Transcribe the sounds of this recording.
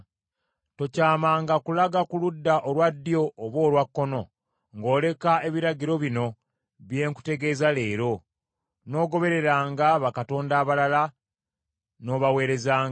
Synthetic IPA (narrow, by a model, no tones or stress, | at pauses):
to̞caːmaːŋɡakulaɡakuludːaʔolwadːijo̞ːβwo̞ːlwakːo̞no̞ | ŋɡo̞ːle̞kae̞βiɾaɟiɾo̞βino̞ | βje̞ːŋku̥te̞ɡe̞ːzaleːɾo̞ | no̞ːɡo̞βe̞ɾe̞ɾaːŋɡaβakato̞ːndaːβalala | no̞ːβawe̞ːɾe̞zaːŋ